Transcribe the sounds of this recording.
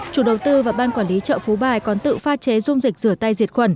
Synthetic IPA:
t͡ɕu˧˩ɗə˨˩wt̪ɨ˧vaː˨˩ɓaː˧nkwaː˧˩nli˨˦t͡ɕə̰ː˧˨fu˨˦ɓaː˨˩jkɔ˨˦nt̪ɨ̰˧˨faː˧t͡ɕe˨˦zʊ˧ŋ͡mzi˨˩k̟̚zɨ˧˩ət̪a˧jzi˨˩ət̚xwə˧˩n

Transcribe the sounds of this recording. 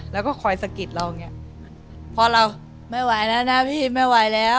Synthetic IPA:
lɛː˦˥wkɔː˥˩kʰɔ˧jsa˧ki˨˩t̪̚ɾa˧wŋːni˦˥ɐ | pʰɔ˧ɾa˧w | ma˥˩jwa˧jna˦˥na˦˥pʰiː˥˩ma˥˩jwa˨˦jlɛː˦˥

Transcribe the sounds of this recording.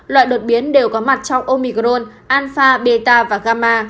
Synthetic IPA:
lwa̰ː˧˨jɗo˨˩t̚ɓi˨˦ənɗe˨˩wkɔ˨˦ma˨˩t̚t͡ɕɔ˧wʔo˧mi˧˩kɾo˧n | ʔaː˧nfaː˧ɓe˧t̪aː˧vaː˨˩ɣaː˧maː˧

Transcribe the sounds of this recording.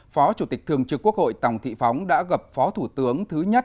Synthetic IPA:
fɔ˨˦t͡ɕu˧˩t̪i˨˩k̚t̪ʰɨ˨˩əŋt͡ɕɨ˨˧˩kːu˦˥ək̚ho̰˧˨jt̪a˨˩wŋ͡mt̪ʰḭ˧˨fa˨˦wŋ͡mɗa̰ː˧˥ɣə˨˩p̚fɔ˨˦t̪ʰu˧˩t̪ɨ˨˦əŋt̪ʰɨ˨˦ɲə˦˥t̚

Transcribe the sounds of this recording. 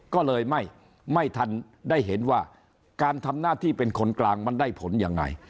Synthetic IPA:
kɔː˥˩lɤː˧jma˥˩j | ma˥˩jt̪ʰa˧n | da˥˩jɦe˩˦nwaː˥˩ | kaː˧nt̪ʰa˧mnaː˥˩t̪ʰiː˥˩pe˧nkʰo˧nklaː˧ŋma˧ndaː˥˩jpʰo˨˩˦njaː˧ŋːa̰˧j

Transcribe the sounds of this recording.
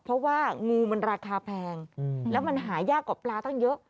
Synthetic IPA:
pʰɾɔ˦˥waː˥˩ŋuː˧ma˧nɾaː˧kʰaː˧pʰɛː˧ŋlɛː˦˥wma˧nɦaː˩˦jaː˥˩kːɔː˨˩plaː˧t̪ʰa˥˩ŋjɤ˦˥ʔ

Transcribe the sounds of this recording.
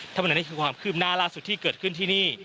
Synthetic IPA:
t̪ʰa˥˧m˨˦n˦˥˩kʰːkʰwaː˧mkʰɯ˥˩p̚naː˥˩laː˥˩su˨˩t̪ʰːiː˥˩kɤː˨˩t̪̚kʰɯ˥˩nt̪ʰiː˥˩niː˥˩

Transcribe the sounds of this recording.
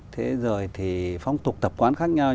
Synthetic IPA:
t̪ʰe˨˦zoː˨˩jt̪ʰi˨˩fwŋ͡mt̪ʊ˨˩k͡p̚t̪ə˨˩p̚kwaː˨˦nxaː˦˥k̚ɲa˧w

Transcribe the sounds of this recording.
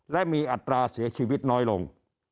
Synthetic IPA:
lɛ˦˥ʔmiː˧ʔa˨˩t̪ːɾaː˧si˩˦ɐt͡ɕʰiː˧wi˦˥t̪̚nɔː˦˥jlo̰˧ŋ

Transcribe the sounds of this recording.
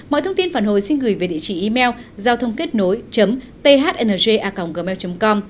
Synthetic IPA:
mɔ̰˧˨jt̪ʰə˧wŋ͡mt̪i˧nfaː˨˩nho̰˧˨jsi˧nɣɨ˨˩jve˨˩ɗḭ˧˨t͡ɕḭ˧˩ʔi˧mɛ˧wzaː˧wt̪ʰə˧wŋ͡mke˦˥t̚no˨˦jt͡ɕə˨˦m | t̪e˧ɦaː˦˥t̚ʔe˧nəː˨˩ze˧ʔaː˧ka˨˩wŋ͡mɣəː˧˩mɛ˧wt͡ɕə˨˦ŋ͡mkɔ˧m

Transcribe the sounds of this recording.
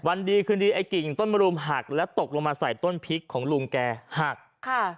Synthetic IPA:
wa˧ndiː˧kʰɯː˧ndiː˧ʔa˨˩jki˨˩ŋt̪o˥˩nma˧ɾuː˧mɦa˨˩k̚lɛ˦˥t̪o˨˩k̚lo˧ŋmaː˧sa˨˩jt̪o˥˩npʰi˦˥kʰːɔː˩˦ŋluː˧ŋkɛː˧ha˨˩k̚kʰa˥˧˩

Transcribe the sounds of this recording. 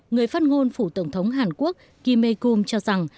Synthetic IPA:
ŋɨ˨˩əjfaː˦˥t̚ŋo˧nfu˧˩t̪ə˧˩wŋ͡mt̪ʰə˨˦wŋ͡mɦaː˨˩nku˦˥ək̚ːi˧me˧ku˧mt͡ɕɔ˧za˨˩ŋ

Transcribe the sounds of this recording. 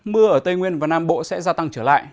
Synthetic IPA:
mɨ˧əʔəː˧˩t̪ə˧jŋwi˧ənvaː˨˩naː˧mɓo̰˧˨sɛ̰˧˥zaː˧t̪a˧ŋt͡ɕəː˧˩la̰ː˧˨jʔ

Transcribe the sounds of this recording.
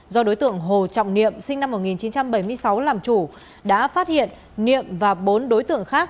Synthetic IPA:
zɔ˧ɗo˨˦jt̪ɨ̰˧˨əŋɦo˨˩t͡ɕɔ̰˧˨wŋ͡mnḭ˧˨əmsï˧ŋna˧mːo˨˩t̚ŋi˨˩nt͡ɕi˨˦nt͡ɕa˧mɓə˧˩jmɨ˧əjsa˨˦wlaː˨˩mt͡ɕu˧˩ | ɗa̰ː˧˥faː˦˥t̚hḭ˧˨ən | nḭ˧˨əmvaː˨˩ɓo˨˦nɗo˨˦jt̪ɨ̰˧˨əŋxaː˦˥k̚

